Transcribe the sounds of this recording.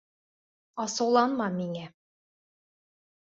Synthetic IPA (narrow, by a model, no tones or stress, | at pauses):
ɑsɤ̆wlˠɑnmɑmiŋæ